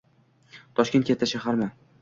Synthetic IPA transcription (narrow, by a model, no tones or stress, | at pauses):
t̪ʰɒʃkʲent̪̚kʰʲet̪ːaʃahaɾma